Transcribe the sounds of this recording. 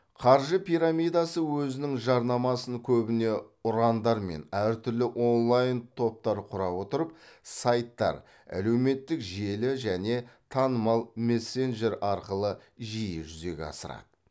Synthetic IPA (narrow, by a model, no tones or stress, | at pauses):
qʰɑɾʒəpʰiɾamʲijd̪ɑsəwɵzɪnɪŋʒɑɾnɑmɑsəŋkʲʰɵbɪne̞ʊɾɑnd̪ɑɾme̞̰næɾt̪ʰʏɾlɪʔo̞nlˠɑjnt̪ʰo̞p̚t̪ɑɾqʰʊɾɑpwo̞t̪əɾəp̚sɑjt̪ːɑ̰ɾ | æ̰le̞wme̞t̪ːɪkʒe̞lɪʒæne̞t̪ʰɑnəmɑlˠme̞sːe̞nʒe̞ɾɑɾqəlˠəʒijɪʒʏze̞̰ɡʲḛɑ̰səɾɑ̰d̪̥ə̥